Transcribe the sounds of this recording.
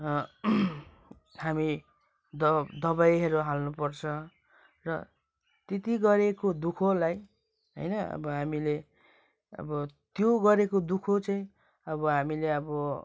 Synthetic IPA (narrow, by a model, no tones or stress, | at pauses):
hami | d̪ʌd̪ʌbajɦʌɾuɦalnupʌrt͡sʰʌ | rʌ | t̪et̪iɡʌɾekod̪ukʰolaj | ɦʌ̰jnʌʌ̰bʌɦamile | ʌ̰bʌt̪joɡʌɾekod̪ukʰot͡saĩ | ʌbʌɦamileʌbʌ